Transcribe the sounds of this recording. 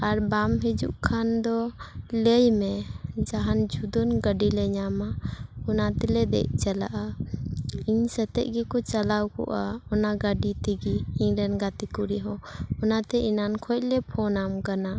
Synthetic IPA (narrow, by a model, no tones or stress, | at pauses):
aɾbamɦɛd͡ʒṵʔkʰand̪ɔlɛjmɛd͡ʒaɦand͡ʒud̪ɔnɡəɖilɛɲamaɔnat̪ɛlɛd̪ɛ̰ʔ̚ˀt͡ʃala̰ʔa | iɲsɛt̪ɛʔ̚ɡɛkɔt͡ʃalawkɔ̰ʔaɔnaɡəɖit̪iɡiːɲɾɛnɡat̪ikuɾiɦɔ̃ɔnat̪ɛʔinankʰɔc̚lɛpʰɔnamkana